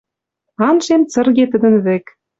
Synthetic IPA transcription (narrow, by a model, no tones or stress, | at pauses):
ɑnʃemt͡sɤ̆rɣet̪ə̆d̪ə̆nβĕk